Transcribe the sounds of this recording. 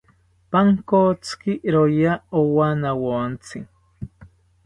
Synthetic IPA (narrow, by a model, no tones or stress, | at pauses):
paŋkot͡skiʔɾojaowanawont͡si